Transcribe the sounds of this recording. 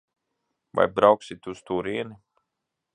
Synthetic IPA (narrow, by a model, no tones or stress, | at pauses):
va̰jbɾawksit̪ʲust̪uːɾiɛni